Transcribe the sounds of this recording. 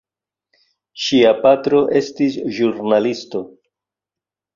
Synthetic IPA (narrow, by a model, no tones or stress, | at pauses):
ʃiapatɾo̞ʔe̞stisʒuɾnalisto̞